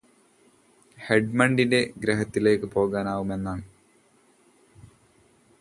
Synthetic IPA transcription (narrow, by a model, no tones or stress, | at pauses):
heɖmɐɳɖinde̞ɡɾɐɦɐt̪ːile̞ːkːɨpo̞ːɣaːnaːʋume̞nːaːɳ